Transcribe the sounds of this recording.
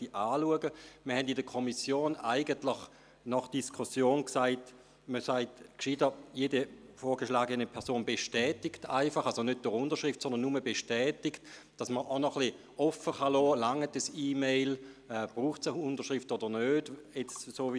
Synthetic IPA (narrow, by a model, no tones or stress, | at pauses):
tiʔaːluəɡəməhɛndɪdəkʰɔmisjoːna̰ɪɡəntlɪχ | nɔχd̥iskʰusjoːnksaɪt | məsaɪtkʃiːdəjeːdəfoːʁɡəʃlaːɡənəpʰɛɐʁsoːnbeʃtɛːtɪktaɪfɑχalsonød̚d̥ʊʁʊndɐʃʁɪftsɔndənuməbeʃtɛːtɪkt | d̥ɑsməʔanɔχli | ɔfəχɑlɔːlaŋətəsiːmeɪlɛːb̥ʁuːχtsəʊndəʃʁɪftɔdənøːdjɛt͡ssoː